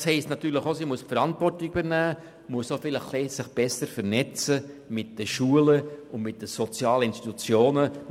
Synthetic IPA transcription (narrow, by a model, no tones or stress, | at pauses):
shɛɪstnɑt̪yːɾləχosimuəspfəɾɑntvɔrtɪkybəɾnæː | muəsofɪləχlɛːsɪχb̥ɛsəɾfəɾnɛt͡sə | mɪt̚d̥əʃuələʊndmɪt̚dəsot͡sjɑːləɪnst̪it̪ut͡sjoːnə